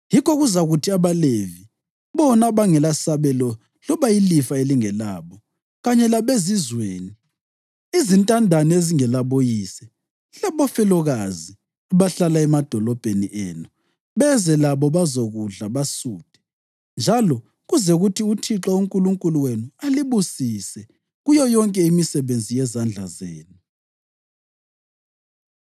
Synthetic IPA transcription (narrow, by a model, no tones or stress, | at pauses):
jikɔɣuzaɣutʰiaβalevi | βɔnaβaŋɛlasaβɛlɔ | lɔβajilifaeliŋɛla̰ːβɔ | ɣaɲɛlaβezizweːni | izintʼandʱanieziŋɛlaβojiːsɛ | laβɔfɛlɔɣazi | aβaɬalaɛmad̥ʱɔlɔb̥ʱenḭʔɛ̰ːnɔ | βɛzɛlaβɔβazoɣuɮaβasuːd̥ʱɛ̥ | nd͡ʒʱalɔ | ɣuzɛɣutʰiutʰiǁauŋkʼuluŋkʼuluwenualiβusisɛ | ɣujɔjɔŋkʼɛimisɛβend͡zʱijɛzand͡ɮʱa̰zḛːnu